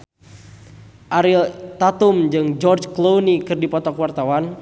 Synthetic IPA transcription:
ʔaɾilt̪at̪umd͡ʒɨŋd͡ʒɔrd͡ʒklownikɨrdipɔt̪ɔkwart̪awan

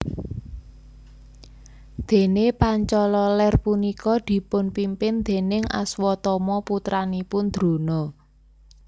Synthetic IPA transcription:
d̪̥e̤nepaɲt͡ʃɔlɔlɛrpunikɔd̪̥i̤pʊnpimpɪnd̪̥e̤nɪŋʔa̰swɔt̪ɔmɔput̪ɾanipʊnd̪̥ɾo̤nɔ

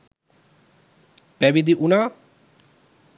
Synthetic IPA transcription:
pɛbid̪iʔuna

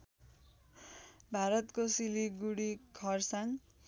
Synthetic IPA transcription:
bʱaɾʌt̪kosiliɡuɽikʰʌrsaŋ

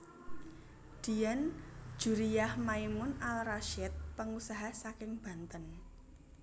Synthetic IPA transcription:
d̪̥i̤jan̥d͡ʒ̥ṳɾiahmaimʊnalraʃɛt̪̚pəŋusaɦasakɪŋb̥a̤nt̪ən

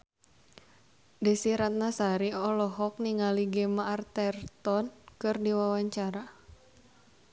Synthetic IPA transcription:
dəsiɾat̪̚nasaɾiɔlɔɦɔk̚niŋaliɡɛmaːrt̪ɛrt̪ɔnkɨrdiwawaɲt͡ʃaɾa

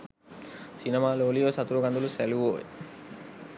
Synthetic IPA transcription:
sinɐmaːloːlijoːsɐt̪uɾuɡɐnd̪uluseluʋoːʋḛ

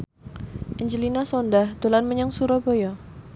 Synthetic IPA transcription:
ʔiɲd͡ʒəlinasɔndahd̥olanməɲaŋsuɾɔbojɔ

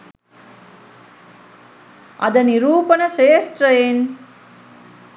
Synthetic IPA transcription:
ɐ̰d̪ɐniɾuːpənɐʃeːst̪ɾɐjen

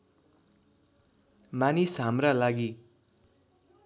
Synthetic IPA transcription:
manisɦamralaɡi

